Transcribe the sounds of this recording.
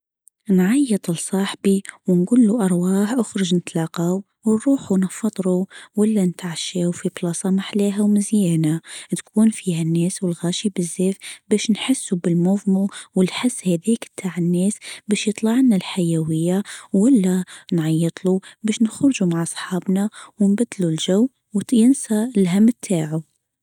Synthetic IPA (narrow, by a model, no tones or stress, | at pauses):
nʕɑjːɨt̪ˤɨlsˤɑːħbiwnɡuːlːuʔɑɾˤwɑːħʔʊxɾɪʒnɪt̪lɑːqaw | wnɾuːħunɑfːɑt̪ˤɾuwalːant̪ʕaʃeːwfiblɑsˤɑmaħleːɦawmɪzjæːnat̪kʰuːnfihanːeːswɪlɣaːʃibɪzːeːfbæːʃnħɪsːubɪlmʊvmuwɪlħɪsːhæðiːkb̚t̪ʰaːʕɪnːeːsbæːʃjɨt̪ˤlɑʕnalħajawɪjːawalːanʕɑjːɨt̪ˤlubæːʃnəxɾʒumaʕɑsˤħɑːbnawɪnbad̪ːlulʒawː | wjɪnsalɦamːt̪ʰːaːʕu